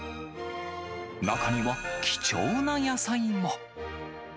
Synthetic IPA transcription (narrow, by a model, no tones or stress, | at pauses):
nakʰamibakʲi̥t͡ɕoːnajasaĩmo